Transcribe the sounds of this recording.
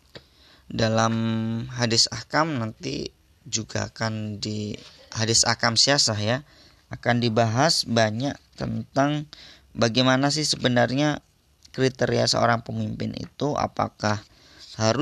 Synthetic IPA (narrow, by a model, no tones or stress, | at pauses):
dalamɦadɪsakamnant̪ḭ | d͡ʒuɡa̰ːkandi | hadɪsa̰kamsiasahja | akandibaɦasbaɲaʔt̪ənt̪aŋ | baɡamanas̬ɪhsəbənarɲa | kɾit̪eɾiasə̰o̰ɾaŋpəmimpɪnḭt̪uʔa̰pa̰kah | haɾʊ